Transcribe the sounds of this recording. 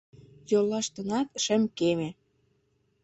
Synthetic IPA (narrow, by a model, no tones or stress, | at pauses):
jolːɑʃt̪ɤ̆nɑt̪ʃə̆mkeme